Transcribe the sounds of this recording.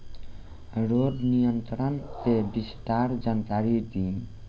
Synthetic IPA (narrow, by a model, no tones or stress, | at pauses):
ɾod̪nijənt̪ɾənt̪ebisʈ̪aɾd͡ʒənk̪aɾid̪ĩn